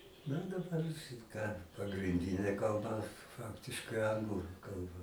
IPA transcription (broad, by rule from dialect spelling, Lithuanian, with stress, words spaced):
nɐ dɐˈbɐr ʃʲɪt kɑː pɐɡrʲɪnʲˈdʲɪnʲeː kɐlˠˈbɐ ˈfɑːktʲɪʃkɐɪ ˈɐŋɡlˠʊ ˈkɐlˠbɐ